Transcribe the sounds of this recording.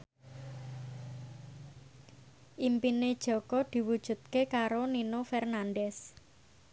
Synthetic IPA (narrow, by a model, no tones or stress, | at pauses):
ʔimpined̥ʒ̥ɔ̤kɔd̪̥i̤wud̥ʒ̥ṳt̪̚kekaɾoninofɛrnanɖɛs